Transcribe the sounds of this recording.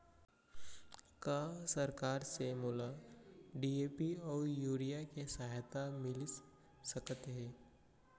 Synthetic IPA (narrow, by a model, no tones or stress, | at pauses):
kaːsɐɾkaːɾsemʊlaɖieːpiɔːɾjuːɾijakesaːɦt̪amɪl | səkət̪ɦɛː